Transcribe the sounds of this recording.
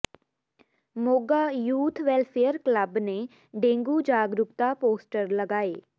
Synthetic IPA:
moːɡaːjuːt̪ʰʋɛlpʰejəɾkləbneː | ɖẽːŋɡuːd͡ʒaːɡɾʊkt̪aːpoːsʈəɾləɡaːeː

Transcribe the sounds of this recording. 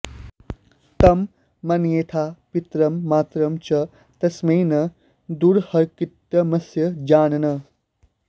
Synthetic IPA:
t̪ɐmː | ɐnjeːt̪ʰapit̪ɾɐmːaːt̪ɾɐmt͡ʃɐ | t̪ɐsmeːnɐ | d̪uɾhɐɾkit̪ːɐmɐsjɐd͡ʒaːnɐnɐ

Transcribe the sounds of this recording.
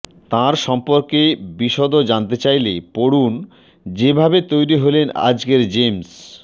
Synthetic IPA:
t̪ãɾʃɔmpoɾkebiʃɔd̪od͡ʑant̪̬et͡ɕajlepoɽun | d͡ʑebʱabet̪ojɾiɦolena̰d͡ʑkeɾd͡ʑems

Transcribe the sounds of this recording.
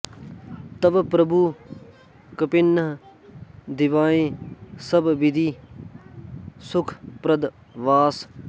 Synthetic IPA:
t̪ɐbpɾɐbʱuː | kəpɪnːəɦ | d̪ɪʋaːẽːsɐbʋɪd̪ʱiː | sʊkʰpɾɐd̪ | ʋaːs

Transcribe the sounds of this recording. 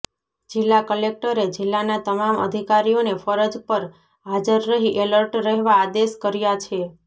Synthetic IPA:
d͡ʒɪlːakəlek̚ʈəɾed͡ʒɪlːanat̪əmamə̰d̪ʱikaɾijonefəɾəd͡ʒpəɾ | ɦad͡ʒəɾːəɦiʔeləɾʈɾəɦeʋaːd̪eskəɾjat͡ʃʰe

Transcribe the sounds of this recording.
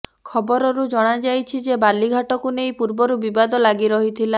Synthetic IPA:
kʰɔbɔɾɔɾud͡ʒɔɽ̃ad͡ʒajt͡ʃʰid͡ʒebaliɡʱaʈɔkunejpuɾbɔɾubibad̪ɔlaɡiɾɔɦit̪ʰila

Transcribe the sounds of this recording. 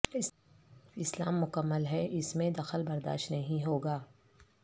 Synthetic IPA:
ɪslaːmːʊkəmːəlɦɛʔɪsmẽd̪ɐxəlbɐɾd̪a̰ːʃt̪nɐɦĩɦoːɡaː

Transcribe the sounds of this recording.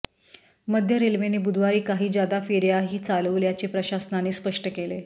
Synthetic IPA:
məd̪ʱjəɾelʋenebud̪ʱʋaɾiːkaɦiːd͡ʑjad̪afeɾjaɦiːt͡saləʋljat͡ɕepɾəɕasnaneːspəʂʈəkele

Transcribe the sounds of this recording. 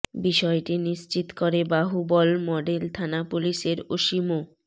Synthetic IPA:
biʃɔeʈiniʃt͡ɕit̪koɾebaɦubɔlmɔɖelt̪ʰanapuliʃeɾoʃimo

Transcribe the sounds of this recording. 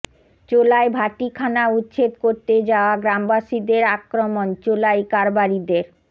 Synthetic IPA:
t͡ɕolaebʱaʈikʰanautːɕʰet̪koɾt̪ed͡ʑaoaɡɾambaʃid̪eɾakɾomont͡ɕolajkaɾbaɾid̪eɾ

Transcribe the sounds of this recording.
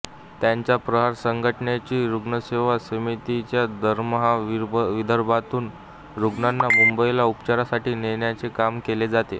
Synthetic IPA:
t̪jaɲt͡ɕjapɾəɦaɾsəŋɡʱəʈəɳjat͡ɕiːɾuɡɳəseʋasəmit̪it͡ɕjad̪ʱəɾməɦaʋid̪ʱəɾbʱat̪uːn | ɾuɡɳanːamumbəilaupt͡ɕaɾasaʈiːneɳjat͡sekamkeled͡zat̪e

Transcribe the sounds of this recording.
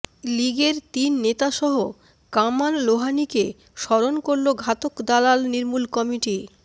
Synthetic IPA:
liɡeɾt̪inːet̪aʃɔɦo | kamalloɦanike | ʃɔɾonkoɾloɡʱat̪okd̪alalniɾmulkɔmiʈi

